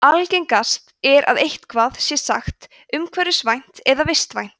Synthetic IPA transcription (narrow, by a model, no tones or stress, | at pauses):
alcejŋkast̪ɛɾʔa̰ðejht̪kʰvaːðsjɛsa̰xt̪ | ʏmkʰvɛɾʏsvajn̥t̪ɛðavɪst̪vajn̥t̪